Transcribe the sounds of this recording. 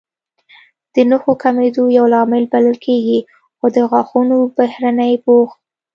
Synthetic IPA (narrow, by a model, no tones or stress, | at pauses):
d̪̥ənʊxokamed̪ojawlɑmɪlbaləlkʰeɡi | xod̪əɣwɑxunobahɾanəjbox